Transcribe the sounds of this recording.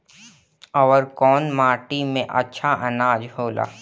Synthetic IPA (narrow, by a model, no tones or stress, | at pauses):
ɔːɾkɔːnmaːʈimẽʔɐ̰tːʃʰaʔɐnaːd͡ʒɦoːla̰ː